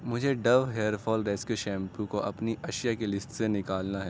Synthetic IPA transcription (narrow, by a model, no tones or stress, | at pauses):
mʊd͡ʒʱeɖɐʋɦeːəɾfʰɔːlɾeːskjuʃɛ̃ːmpʰukoʔɐpniʔɐʃjakelɪsʈsenɪkaːlnaɦɛː